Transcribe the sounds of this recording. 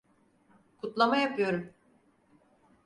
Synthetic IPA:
kʰut̪lˠamajapʰɯjo̞ɾum

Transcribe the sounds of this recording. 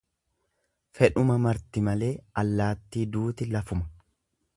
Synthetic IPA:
fɛᶑʊmɐmɐɾt̪ɪmɐle̞ːɐlːaːt̪ːiːd̪uːt̪ɪlɐfʊmɐ̥

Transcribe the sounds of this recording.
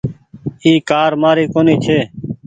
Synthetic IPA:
iːkaːɾmaːɾiːkoːniːt͡ʃʰeː

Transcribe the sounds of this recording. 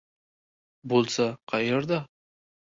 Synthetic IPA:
bolˠsaqʰɑjeɾd̪a

